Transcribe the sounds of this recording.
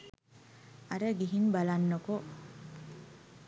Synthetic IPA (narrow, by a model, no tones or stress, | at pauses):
aɾəɡiɦinbalanːoko